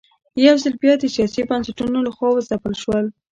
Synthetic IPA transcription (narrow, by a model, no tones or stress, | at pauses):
jawzəlbjɑd̪əsjɑsibansaʈunolaxwɑwazapəlʃwəl